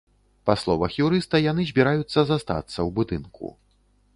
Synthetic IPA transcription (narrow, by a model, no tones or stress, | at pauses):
pɐslˠɔvɐxjuɾɨst̪ɐjanɨzʲbʲiɾajut̪sːɐzast̪a̰t̪sːɐwbud̪ɨnkṵ